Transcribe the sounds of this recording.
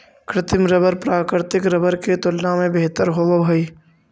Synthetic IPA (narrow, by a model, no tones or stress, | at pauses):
kɾɪt̪ɪmɾəbəɾpɾaːkɪɾt̪ɪkɾəbəɾket̪ʊlnamẽbeɦt̪əɾɦoobʱoiː